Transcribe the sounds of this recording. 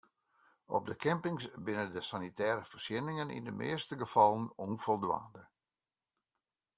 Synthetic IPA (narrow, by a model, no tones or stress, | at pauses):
ɔ̰b̚dəkʰɛmpɪŋsbɪnəndəsanitɛːɾəfərsjɪnɪŋənḭndəmʔɪ̰ːstəɡəfɑlˠənɔnfɔlˠdʋa̰ːndə